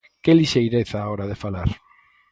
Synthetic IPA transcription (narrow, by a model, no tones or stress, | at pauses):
keliʃejɾeθaːoɾaðefalaɾ